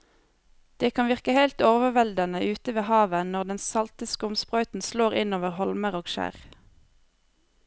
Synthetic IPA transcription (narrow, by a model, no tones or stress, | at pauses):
d̪̥eːkʰɑnʋɪʁkəheɪlt̪oːʋəʋɛld̪ənəʔʉːt̪əʋeːhɑːʋənɔʁd̪ɛnsɑlt̪ɪskəʊmspʁœʏt̪n̩sloːʁɪnoːʋəʁhɔlməʁoːɡʃæ̰ːʁ